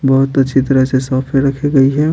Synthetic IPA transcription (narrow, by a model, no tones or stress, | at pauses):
bɐɦʊt̪ɐtːʃʰit̪ɐɾəsesɔːpʰeɾɐkʰeɡɐiɦɛ